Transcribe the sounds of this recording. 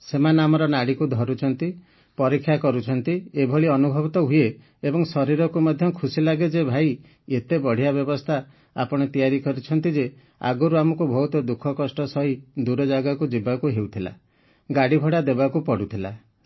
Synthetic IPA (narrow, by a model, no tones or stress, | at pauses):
semanamɔɾɔnaɽikud̪ʱɔɾut͡ʃʰɔnt̪i | pɔɾikʰːjakɔɾut͡ʃʰɔnt̪iebʱɔɭiɔnubʱɔbit̪ɔɦuje | ebɔŋsɔɾiɾɔkumɔd̪ʱjɔkʰusilaɡed͡ʒebʱaj | et̪ebɔɽ̤ijabjɔbɔst̪ʰa | a̰pɔɽ̃ɔt̪ijaɾikɔɾut͡ʃʰɔnt̪id͡ʒe | a̰ɡɔɾuamɔkubʱɔɦut̪ɔd̪ukʰɔkɔsʈɔsɔɦid̪uɾɔd͡ʒaɡakud͡ʒibakuɦewt̪ʰila̰ | ɡaɽibʱɔɽad̪ebakupɔɽut̪ʰila